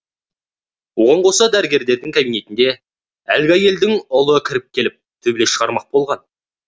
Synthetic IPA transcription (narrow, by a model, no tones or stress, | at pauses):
woʁɑɴqʰosɑd̪æɾɪɡʲe̞ɾd̪e̞ɾd̪ɪŋkʲʰabijne̞t̪ɪnd̪e̞ | ælɡʲɑje̞ld̪ɪŋʊlˠəkʲʰɪɾɪp̚kʲʰe̞lɪp̚t̪ʰɵble̞ʃəʁɑɾmɑq̚bo̞lˠʁɑn